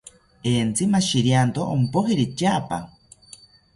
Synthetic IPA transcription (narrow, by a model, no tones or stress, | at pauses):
eːnt͡simaʃiɾjant̪oʔo̰mpoɦiɾit͡ʃapa̰